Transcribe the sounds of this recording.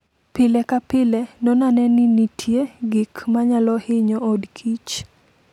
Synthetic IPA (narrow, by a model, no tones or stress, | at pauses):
pɪlɛkapɪlɛnɔnanɛnɪnitʰjeɡɪkmaɲalɔhɪɲɔːdkʰit͡ʃ